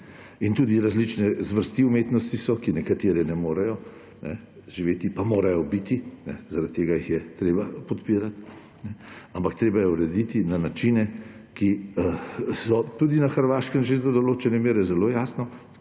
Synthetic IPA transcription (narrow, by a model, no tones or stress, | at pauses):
int̪uːd̪iɾazlit͡ʃnɛzʋəɾst̪iumeːt̪nɔst̪isɔkinɛkat̪eːɾɛnɛmoːɾɛjɔ | nɛ̰ | ʒiʋeːt̪ipamoːɾajɔbit̪inɛ̰zaɾat̪ːeːɡajixjɛt̪ɾeːbapɔt̪piːɾat̪ | nɛampakt̪ɾeːbajɛuɾɛd̪it̪inanat͡ʃinɛki | sɔt̪ud̪inaxəɾʋaːʃkəmʒed̪ɔd̪ɔloːt͡ʃɛnɛmeːɾɛzɛloːjaːsnɔ